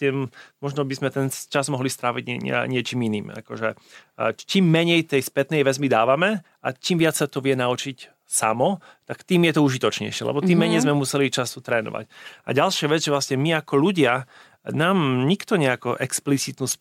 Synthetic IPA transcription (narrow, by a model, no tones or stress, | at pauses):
t̪ɛmmɔʒnɔbizmɛt̪ɛnt͡ʃazmɔɦlist̪ɾaʋiɟɛ̰ɲɪɛt͡ʃiːminiːma̰kɔ̰ʒɛ | t͡ʃimːɛɲɛjt̪ɛjspɛt̪nɛjʋɛzmid̪aːʋamɛ | at͡ʃimʋɪat͡ssat̪ɔʋɪɛnaut͡ʃic | sa̰mɔ | t̪akt̪iːmjɛt̪ɔuʒit̪ɔt͡ʃɲɛ̰jʃɪɛ̰lʔɛ̰bɔt̪imːɛɲɛjzmɛmusɛlit͡ʃasut̪ɾɛːnɔ̰ʋa̰ca̰ɟalʃɪaʋɛd͡zʒɛʋlasɲɛmiakɔʎuɟɪa | naːmɲikt̪ɔɲɛakɔʔɛksplit͡sit̪nuːs